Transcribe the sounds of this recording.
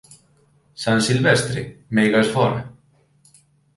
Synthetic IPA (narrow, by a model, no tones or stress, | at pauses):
sansɪlvɛst̪ɾɪmejɣasfɔːɾɪ